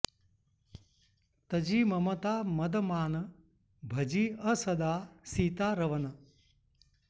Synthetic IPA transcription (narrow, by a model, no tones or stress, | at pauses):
t̪ɐd͡ʒiːmɐmɐt̪aːmɐd̪ɐmaːnɐ | bʱɐd͡ʒiːɐsɐd̪aːsiːt̪aːɾɐʋɐnɐ